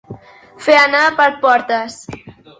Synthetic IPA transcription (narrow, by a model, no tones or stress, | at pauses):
feanapəɾpɔɾt̪əs